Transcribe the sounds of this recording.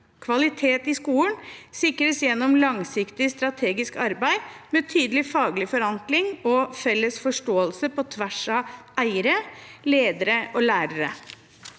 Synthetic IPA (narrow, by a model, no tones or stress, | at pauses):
kʰʋɑlɪt̪ʰeːt̪ɪskuːənsɪkɾəsjɛnːɔmlɑŋsɪkt̪ɪst̪ɾɑt̪ʰeːɡɪskɑɾbæɪmɛːt̪ʰyːd̪əlɪfɑːɡlɪfɔɾɑŋklɪŋɔfɛlːəsfɔʂʈoːəlsəpɔt̪ʰʋæʂɑʔæɪəɾəleːd̪əɾəʔɔːlæːɾəɾə